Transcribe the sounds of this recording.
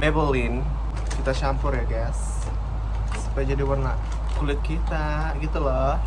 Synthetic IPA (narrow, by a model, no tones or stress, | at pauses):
bebəlɪn | kit̪aʃampʊrjaɡas | upaad͡ʒadiwərna | kulɪt̪̚kit̪a | ɡit̪ulɔ